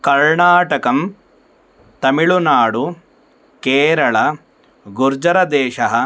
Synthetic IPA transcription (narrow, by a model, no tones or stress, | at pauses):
kɐɾɳaːʈɐkɐm | t̪ɐmiɭunaːɽu | keːɾɐɭɐ | ɡuɾd͡ʒɐɾɐd̪ɛːʃɐɦɐ̆